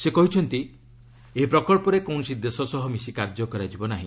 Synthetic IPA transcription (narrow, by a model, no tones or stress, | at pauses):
sekɔɦit͡ʃʰɔnt̪i | eipɾɔkɔɭpɔɾekow̃ɳ̃ɔsid̪esɔsɔɦɔmisikaɾd͡ʒɔkɔɾad͡ʒibɔnaɦĩ